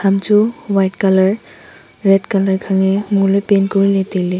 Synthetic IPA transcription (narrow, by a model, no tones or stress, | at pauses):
tʰamtuwajtkalaɹ | ɹɛtkalaɹkʰaŋɛmulojpenkɔɹilɛtelɛ